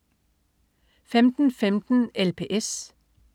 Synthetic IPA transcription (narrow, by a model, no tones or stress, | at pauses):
fɛmt̪n̩fɛmt̪n̩ɛlpʰḛːʔɛs